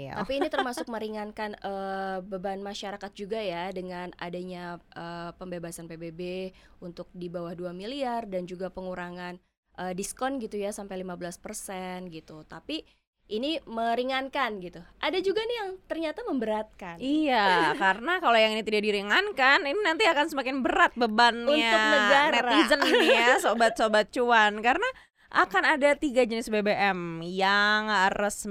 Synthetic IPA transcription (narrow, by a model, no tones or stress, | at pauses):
t̪apiːnit̪ərmasʊk̚məɾiŋankanəbəbanmaʃaɾakat̪̚d͡ʒuɡajadəŋana̰daɲaʔəpəmbebasanpebebeunt̪ʊk̚dibawahduamiliardand͡ʒuɡapəŋuɾaŋan | ʔəːdiskɔnɡit̪ujasampajlimabəlaspərsɛnɡit̪ut̪api | ʔiniməɾiŋankanɡit̪uʔadad͡ʒuɡainijaŋt̪ərɲat̪aməmbəɾat̪̚kanijakaɾənakalojaŋinit̪idaʔdiɾiŋankanininant̪iakansəmakɪnbəɾat̪̚bəbanɲuaʊknəɡaɾɛizənasobat̪sobat̪̚t͡ʃuankarəna | ʔa̰kanadat̪iɡad͡ʒənɪsbebeʔɛmjaŋaɾəs